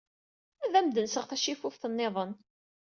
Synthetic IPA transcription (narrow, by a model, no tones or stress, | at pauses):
æðæmd̪ənsəʁθæʃifufθənːeðˤən